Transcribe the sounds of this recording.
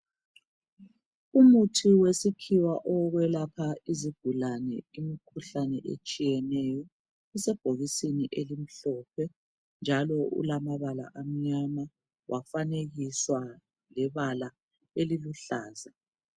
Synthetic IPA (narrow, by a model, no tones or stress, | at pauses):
umutʰiwesikʰiwaʔɔɣwɛlapʰaiziɡ̥ʱulanɛ̰imikʰuɬanɛ̰ʔḛt͡ʃʼijɛnɛjɔ | ɛsɛb̥ʱoɣisiniʔelim̩ɬɔp̚ʰɛ | nd͡ʒʱalɔṵlamaβala̰ʔam̩ɲama | wʔafaneɣiswa | lɛβala | eliluɬaːza